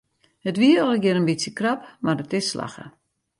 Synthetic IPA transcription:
hətʋiəolˠəɡjɪɾənbisjəkrapmarətɪsːla̰xə̰

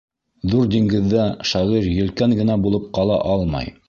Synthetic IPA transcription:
ðuɾd̪iŋɡɘ̆ðːæʃɑʁiɾjɵ̆lkæŋɡɘ̆næbulˠɤp̚qɑlˠɑ̰ʔɑlˠmɑ̰j

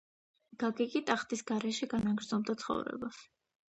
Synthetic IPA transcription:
ɡ̥aɡikʼit̪ʼaχt̪ʼisɡaɾɛʃiɡanaɡɾd̪zɔmd̪at̪sʰχɔ̰vɾɛ̰bas

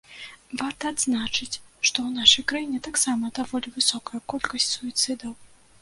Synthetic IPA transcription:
vart̪ɐːd̪znat͡ʂɨt͡sʲʂt̪ɔwnaʂɐjkɾajinʲɛt̪aksamɐd̪avɔlʲivɨsɔkɐjɐkɔlʲkɐsʲtʲsuit̪sɨd̪ɐw

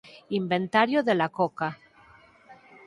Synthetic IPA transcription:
imbe̞nt̪aɾjoðelakoka

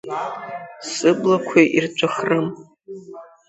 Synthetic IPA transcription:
sɨblakʷʰeʔirt͡ʃʷʰʼaχrɨm

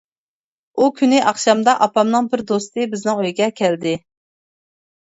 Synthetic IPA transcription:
ukʲʰynɪʔɑχʃɑmd̪ɑʔɑpɑmnɨŋbɪɾd̪ost̪ɨbɪznɪŋøjɡʲɛkʲʰæld̪ɪ

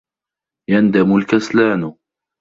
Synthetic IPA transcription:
jand̪amʊlkaslaːn

